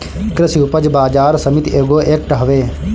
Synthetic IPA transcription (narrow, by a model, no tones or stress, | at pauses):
kɾɪsiupəd͡ʒbaːd͡ʒaːɾsəmɪt̪eːɡoːʔeːk̚ʈɦɐʋeː